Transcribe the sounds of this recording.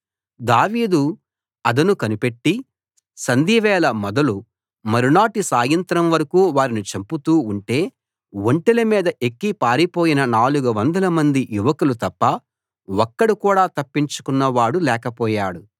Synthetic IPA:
d̪aːʋiːd̪u | ɐd̪ɐnukɐnipe̞ʈːi | sɐnd̪iːʋɛːlɐmɔd̪ɐlu | mɐɾunaːʈisaːjɐnt̪ɾɐmʋɐɾɐkuːʋaːɾinit͡ʃɐmput̪uːɳʈe̞ː | ʋoɳʈelɐmiːd̪ɐʔekːipaːɾipo̞ːjinɐnaːluɡɐʋɐnd̪ɐlɐmɐnd̪ijuʋɐkulut̪ɐpːɐ | ɔkːɐɽukuːɽaːt̪ɐpːiɲt͡ʃu̥kunːɐʋaːɽulɛːkɐpɔːjaːɽu

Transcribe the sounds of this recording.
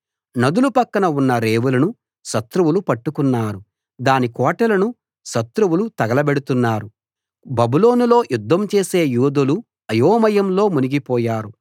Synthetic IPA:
nɐd̪ulupɐkːɐnɐunːɐɾeːʋulɐnu | ʃɐt̪ɾuwulupɐʈːukunːaːɾu | d̪aːnikɔːʈɐlɐnu | ʃɐt̪ɾuwulut̪ɐɡɐlɐbeɽut̪unːaːɾu | bɐbulo̞ːnulo̞ːjʔud̪ʱːɐmt͡ʃe̞ːse̞ːjuːd̪ɐlu | ɐjoːmɐjɐmlo̞ːmuniɡipɔːjaːɾu

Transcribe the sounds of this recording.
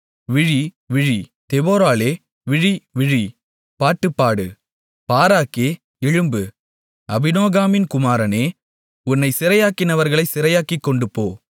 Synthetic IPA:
ʋɪɻi | ʋɪɻi | t̪ɛboːɾaːleː | ʋɪɻiʋɪɻi | paːʈːɯpːaːɽɯ | paːɾaːkeː | ɛɻɯmbɯ | ɐbɪnoːɣaːmɪnkʊmaːɾɐneː | ʊnːɐɪsɪɾɐjaːkɪnɐʋɐɾɣɐɭɐɪsɪɾɐjaːkikːɔɳɖɯpːoː

